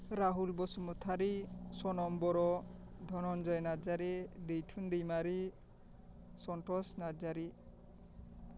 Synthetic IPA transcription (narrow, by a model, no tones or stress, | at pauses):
ɾaɦulbɔsumɔt̪ʰaɾisɔnɔmbɔɾɔdʱɔnɔnd͡ʒɔjnaɾd͡ʒaɾidejtʰundejmaɾi | sɔntɔsnad͡ʒaɾi